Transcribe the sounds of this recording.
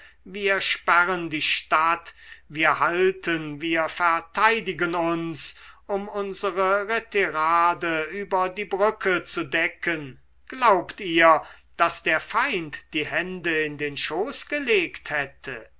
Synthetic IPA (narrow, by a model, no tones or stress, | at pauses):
viːɐʃpæʁəndiːʃtatviːɐhaltʰənviːɐfɛɐtʰaɪdɪɡənʊnsʔʊmʊnzəʁəʁetɛʁaːdəyːbɐdiːbʁʏkʰət͡sudɛkən | ɡ̥laʊptiːɐd̥asd̥eːɐfaɪntd̥iːhɛndəɪndeːnʃoːsɡ̥əleːkthɛtʰə